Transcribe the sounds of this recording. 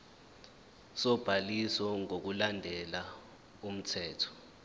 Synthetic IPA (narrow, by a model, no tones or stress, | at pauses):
sɔb̥ʱalisɔŋok̬ulandʱɛla | um̩tʰɛːtʰɔ̥